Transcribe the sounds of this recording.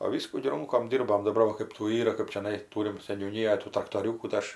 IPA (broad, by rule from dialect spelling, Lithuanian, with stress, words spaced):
oː ˈʋʲiːskuː ɡʲɪ ˈrʊŋkoːm ˈdʲiːrboːm dɐˈbɐr ʋɐ ˈkɜp tuː ˈiːrɐ kɜp t͡ʃʲɛˈnɐɪ ˈtuːrʲɪm sʲɛnʲuːˈnʲiːjoːj tuː trɐktoːˈrʲuːkuː tɐɪ ˈɐʃ